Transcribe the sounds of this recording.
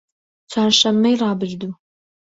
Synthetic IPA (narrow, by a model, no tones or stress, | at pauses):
t͡sʰaːrʂɐmːɐjraːbɨʒdu